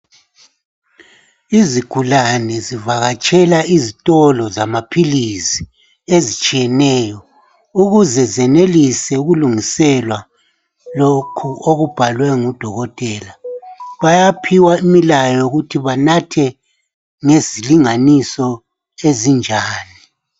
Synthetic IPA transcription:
izikʰulanɛzivaɣat͡ʃʼɛlaizitʼɔlɔzamapʰilisi̥ | ezit͡ʃʼijɛnɛːjɔ | uɣuzɛzɛnelisɛuɣuluŋisɛlwa | lokʰuoɣub̥ʱalwɛŋud̥ʱɔɣɔtʼɛːlaβajapʰiwaimilajɔuɣutʰiβanatʰɛ | ŋeziliŋanisɔ | ezind͡ʒʱaːni

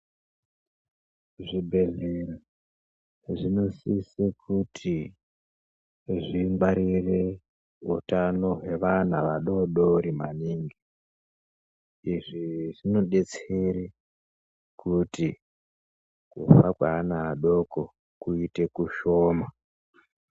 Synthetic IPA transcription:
ʐibʱe̞ɮeɾa | ʐino̞sisekʰutʰi | ʐiŋwaɾire | ṵtano̞ɦe̞ʋan̤aʋaɗo̞ɗoɾimaniːŋɡi | iʐiʐino̞ɗe̞t͡seɾe | kuti | kṵfakwaːnaaɗo̞ko | kuite̞kuʃoːma

